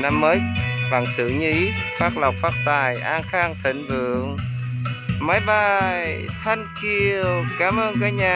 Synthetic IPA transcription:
na˧mːəː˨˦jva̰ː˧˩ŋsɨ̰˧˩˨ɲɨ˧i˨˦faː˦˥k̚la˨˩wk͡p̚faː˦˥t̚t̪aː˨˩jʔaː˧nxaː˧ŋt̪ʰï˧˩ŋ̟vɨ̰˧˨əŋ | ma˨˦jɓa˧˩jjt̪ʰa˧jŋ̟ki˧əəkaː˨˦mʔəː˧nkaː˨˥k̚ɲaː˨˩

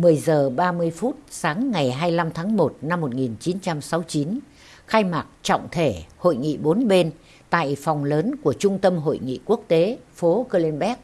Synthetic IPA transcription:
mɨ˨˩əjzəː˨˩ɓaː˧mɨ˧əjfu˦˥t̚saː˨˦ŋːa˨˩jɦaː˧jla˧mt̪ʰaː˨˦ŋmo˨˩t̚na˧mːo˨˩t̚ŋi˨˩nt͡ɕi˨˦nt͡ɕa˧msa˨˦wt͡ɕi˨˦n | xaː˧jmaː˨˩t̚t͡ɕɔ̰˧˨wŋ͡mt̪ʰe˧˩ho̰˧˨jŋḭ˧˨ɓo˨˦nɓe˧n | t̪a̰ː˧˨jfɔ˨˩wŋ͡mləː˨˦nku˧˩ət͡ɕʊ˧ŋ͡mt̪ə˧mɦo̰˧˨jŋḭ˧˨ku˦˥ək̚t̪e˨˦fo˨˦kəː˧li˧nɓɛ˦˥k̚

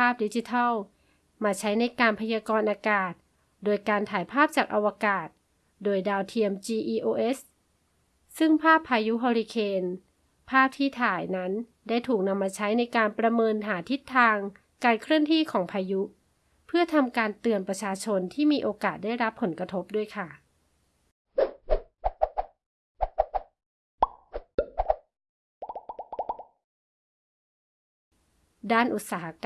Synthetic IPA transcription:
pʰaː˥˩p̚di˦˥t͡ɕi˧t̪ʰa˥˩w | maː˧t͡ɕʰa˦˥jna˧jkaː˧npʰa˧jaː˧kɔː˧nʔaː˧kaː˨˩t̪̚ | doː˧jkaː˧nt̪ʰaː˩˦jpʰaː˥˩p̚t͡ɕaː˨˩k̚ʔa˧wa˧kaː˨˩t̪̚ | doː˧jdaː˧wt̪ʰi˧əmt͡ɕiː˧ʔiː˧ʔoː˧ʔe˦˥s | sɯ˥˩ŋpʰaː˥˩pʰːaː˧ju˦˥ɦɔː˧ɾi˧kʰeː˧n | pʰaː˥˩p̚t̪ʰiː˥˩t̪ʰaː˨˩˦jna˦˥n | daː˥˩jt̪ʰuː˨˩k̚na˧mːaː˧t͡ɕʰa˦˥jna˧jkaː˧npɾa˧mɤː˧nɦaː˩˦t̪ʰi˦˥t̪ʰːaː˧ŋ | kaː˧nkʰɾɯ˥˩əŋt̪ʰiː˥˩kʰɔː˩˦ŋpʰaː˧ju˦˥ | pʰɯ˥˩ɐt̪ʰa˧mkaː˧nt̪ɯ˧ənpɾa˧t͡ɕʰaː˧t͡ɕʰo˧nt̪ʰiː˥˩miː˧ʔoː˧kaː˨˩t̪̚daː˥˩jɾa˦˥pʰːo˩˦nkɾa˧t̪ʰo˦˥p̚du˥˩əjkʰa˥˩ | daː˥˩nʔu˨˩t̪̚saː˩˦ɦa˧

